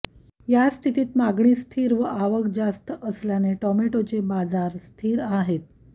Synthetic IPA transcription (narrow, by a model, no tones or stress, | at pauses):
jast̪ʰit̪iːt̪maɡɳiːst̪ʰiːɾʋəʔaʋəkd͡zast̪əʔəsljaneʈɔmeʈot͡sebad͡zaɾst̪ʰiːɾaɦet̪̚